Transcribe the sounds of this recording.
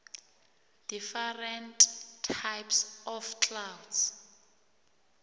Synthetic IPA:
d̥ifɛrɛntʼʰːajpsɔfkʰʼlawds

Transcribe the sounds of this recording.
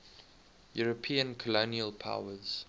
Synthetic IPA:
juɹəpʰĩːə̃nkʰɔloniəlˠpʰa̰ʊəz̥

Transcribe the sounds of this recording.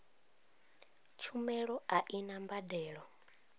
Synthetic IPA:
t͡ʃʰumɛɺɔaʔinambadɛːɺɔ

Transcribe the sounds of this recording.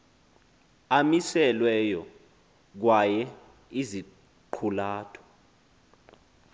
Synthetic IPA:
amisɛlwɛjɔ | k̬wajɛ | izi | ǃʰulaːtʰɔ̥

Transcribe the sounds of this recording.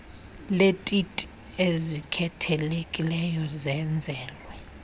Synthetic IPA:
letʼitʼi̥ | ezikʰɛtʰɛlekʼilɛjɔzɛnd͡zʱɛːlwɛ

